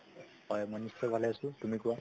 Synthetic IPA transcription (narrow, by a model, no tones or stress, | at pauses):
ɦɔjmɔjnist͡ʃːɔjbʱalajasũtumikua